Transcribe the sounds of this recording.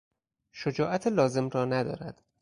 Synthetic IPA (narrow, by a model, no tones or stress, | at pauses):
ʃod͡ʒɒːʔæt̪ʰelɒːze̞mrɒːnæd̪ɒ̰ːɾæd̪̥